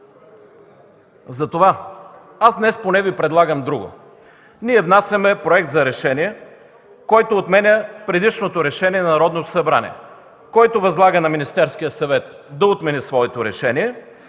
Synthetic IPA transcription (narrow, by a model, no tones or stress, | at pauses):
zɐt̪ova | azd̪nɛsponɛvipɾɛd̪lˠaɡəmd̪ɾuɡʊ̰ | niɛvnasʲɐmɛpɾoɛkt̪zɐɾɛʃɛniɛ | kɔjt̪oːt̪mɛnʲɐpɾɛd̪iʃnot̪oɾɛʃɛniɛnɐnɐɾɔd̪not̪osɐbɾa̰nʲḭɛ̰ | kɔjt̪ovɐzlˠaɡənɐminist̪ɛɾsk̟ijəsɐvɛt̪ | d̪ɐot̪mɛnisvɔɛt̪oɾɛʃɛniɛ